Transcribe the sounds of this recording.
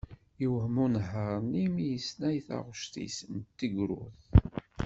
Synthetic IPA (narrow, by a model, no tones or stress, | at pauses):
jəwhmunɦəɾˤnimijəsnæjθa̰ʁʃt̪ḭsnt̪ːiɡɾʊ̰θ